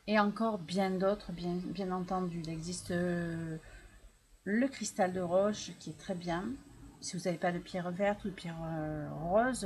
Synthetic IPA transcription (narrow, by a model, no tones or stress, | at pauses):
eɑ̃kɔʁbjɛ̃d̪ot̪χəbjɛ̃bjɛ̃nɑ̃t̪ɑ̃d̪yilɛɡzist̪ | ləkχist̪ald̪əʁɔʃkʲiɛt̪χɛbjɛ̃sivuzavepad̪əpjɛʁvɛʁt̪ud̪əpjɛʁøʁɔz